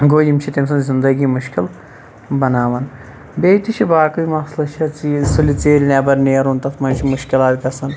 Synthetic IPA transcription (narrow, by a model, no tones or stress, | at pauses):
ɡoːjimt͡ʃʰit̪ems̬ɐnzind̪ɐɡimuʃkil | bɐnaːʋɐn | beːt̪iʃʰibaːkɐjimɐxslɐʃʰɐt͡sisulit͡seːɾinɐbɐɾneːɾunt̪ɐtmɐnt͡ʃʰimuʃkilaːtʲikɐsɐn